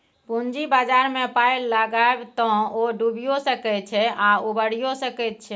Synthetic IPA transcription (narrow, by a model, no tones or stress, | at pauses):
pund͡ʒibad͡ʒaɾmepajlːəɡaebt̪ɔ̃oɖubijosəkɛt̪̚t͡ʃʰɛaubəɽ̤ijosəkɛt̪̚t͡ʃʰɛ